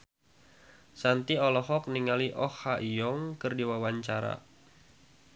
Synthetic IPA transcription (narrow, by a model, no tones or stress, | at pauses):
sant̪iɔlɔɦɔk̚niŋaliʔɔhhaʔijɔŋkɨrdiwawaɲt͡ʃaɾa̰